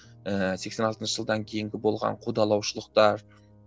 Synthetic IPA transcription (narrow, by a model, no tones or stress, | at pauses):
əse̞ksenɑlˠt̪ənʃəʒ̥əlˠd̪ɑŋkʲʰe̞jɪŋɡʲɪbo̞lˠʁɑ̰ɴqʰud̪ɑlˠɑwʃəlˠəqt̪ɑɾ